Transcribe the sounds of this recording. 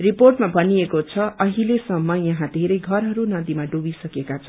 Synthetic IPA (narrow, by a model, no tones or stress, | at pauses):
riporʈmabʱʌniekot͡sʰʌʔʌɦilesʌmːʌjʌɦãd̪ʱeɾʌjɡʱʌrɦʌɾunʌd̪imaɖubisʌkekat͡sʰʌ̃